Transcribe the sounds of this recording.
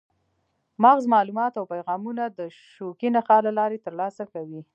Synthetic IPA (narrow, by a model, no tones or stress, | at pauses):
maɣzmɑlumɑt̪awpajɣɑmunad̪ə | ʃokinaxɑlalɑɾet̪əɾlɑsakawi